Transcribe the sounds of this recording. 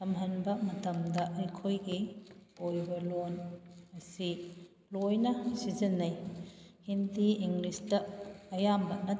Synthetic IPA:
sɐmɦɐnbɐmɐtɐmdɐʔɐjkʰojɡiojbɐlonɐsi | lojnɐsizɐnːɐjhindiiŋɡlisdɐːjambɐnɐ

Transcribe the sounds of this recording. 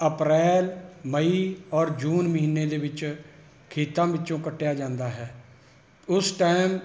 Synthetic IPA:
əpɾɛːlməiːɔːɾd͡ʒuːnməɦiːnːeːd̪eːʋɪt͡ʃ | kʰeːt̪ãːbɪtːt͡ʃõːkəʈːejaːd͡ʒãːnd̪aːɦɛː | ʊsʈaːm

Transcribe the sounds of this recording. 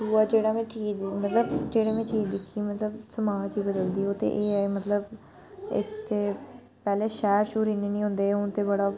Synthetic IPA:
uːaːd͡ʒeːɽaːmɛ̃ːt͡ʃiːmət̪ləbd͡ʒeːɽeːmɛ̃ːt͡ʃiːd̪ɪkʰːiːmət̪ləbsəmaːd͡ʒiːbəd̪əld̪iːɦoːt̪ḛːʔeːmət̪ləb | ɪ̰t̪ʰːeː | pɛːleːʃɛːɾʃuːɾineːnĩːɦõːnd̪eːʊnt̪eːbəɽaː

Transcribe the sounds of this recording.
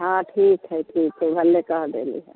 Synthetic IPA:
ɦãːʈʰiːkɦɛʈʰiːkɦɛbʱɐlːekaɦd̪ḛːlḭɦɛ̰̃ː

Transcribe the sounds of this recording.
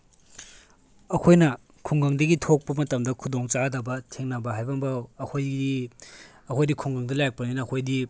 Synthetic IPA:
ɐkʰojnɐ | kʰuŋɡɐŋdɐɡitʰok̚pɐmɐtɐmdɐkʰudoŋt͡ʃadɐbɐtʰeŋnɐbɐɦajbɐmbɐwɐkʰoji | ɐkʰojdikʰuŋɡɐŋdɐlajk̚pɐninɐːkʰojdi

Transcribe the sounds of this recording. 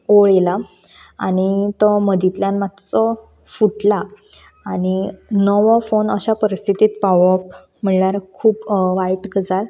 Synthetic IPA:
oɭela | aɽ̃it̪ɔməd̪it̪ljanmat̪t͡sɔ | fuʈla | aɽ̃inəʋɔfonəɕapəɾist̪ʰit̪iːt̪̚paʋɔp | m̤əɳɳjaɾkʰuːpʋajʈɡʱəd͡zal

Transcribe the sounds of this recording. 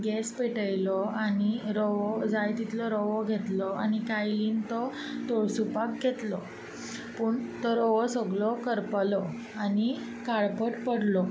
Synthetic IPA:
ɡɛspeʈəjlɔañiɾɔʋɔd͡zajt̪it̪lɔɾɔʋɔɡʱet̪lɔañikajliːnt̪ɔ | t̪oɭsupak̚ɡʱet̪lɔ | puːɳt̪ɔɾɔʋɔsəɡlɔkəɾplɔ | ani | kaɭpəʈpəɽlɔ

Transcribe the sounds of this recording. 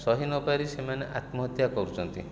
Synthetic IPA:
sɔɦinɔpaɾisemaneʔat̪mɔt̪jakɔɾut͡ʃʰɔnt̪ḭ

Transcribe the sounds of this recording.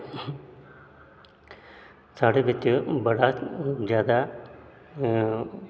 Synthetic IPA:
saːɽeʋɪt̪jobɐɽazjaːd̪a

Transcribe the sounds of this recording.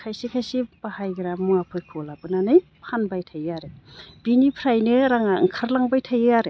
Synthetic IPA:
kʰajsikʰajsibahajɡɾamuapʰɯjkʰɔlabɯnanɯjpʰanbajtʰajaɾeb̥inipʰɾajnɯɾaŋaŋkʰaɾlaŋbajtʰajaɾe

